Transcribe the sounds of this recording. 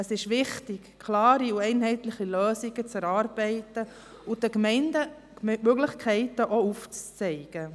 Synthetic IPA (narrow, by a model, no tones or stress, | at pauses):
əsɪʃʋɪχtɪkkʰlɑːɾiuɛɪnɦɛɪtlɪχiløːsiɡ̥ət͡sɛɾɑːɾb̥ɛɪtə | ʊdəkmɛɪndə | møɡlɪχkʰɛɪtəʔouft͡st͡sɛɪɡ̥ə